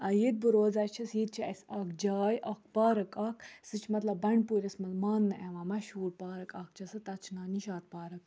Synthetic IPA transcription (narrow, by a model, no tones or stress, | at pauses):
ɐjit̪̚bɨɾoːzɐːt͡ʃʰɐsjit̪̚t͡ʃʰiɐsaːkd͡ʒaːjʔaːk̚ʰpaːɾɐkaːkʰsɨt͡ʃʰmɐt̪lɐbːɐɳpuːɾʲɐsmɐlmaːnːɨʔeʋãːmɐʃɦuːɾpaːɾɐkaːk̚t͡ʃʰɐsɨt̪ɐt͡ʃʰnaːniʃaːt̪̚paːɾɐk